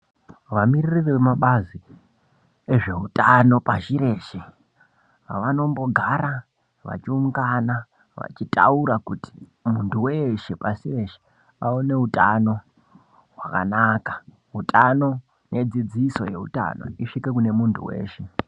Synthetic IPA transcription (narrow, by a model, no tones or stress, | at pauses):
ʋamiririreemaɓazi | e̞ʐe̞ɦutano̞paʃiɾe̞ːʃe | ʋano̞mbo̞ɡʱaɾa | ʋa̰t͡ʃiuŋɡana | ʋa̰t͡ʃitʼa̰uɾakuti̥muntuweʃepasire̞ʃe̥ | aone̞utʼano̞ | ɦwaka̰naːkḁ | ɦutʰʼano̞ | nʔe̞d͡zid͡ziso̞̰je̞ṵta̰no̞̰iʂike̞kune̞muntʰṵwe̞̰ːʃe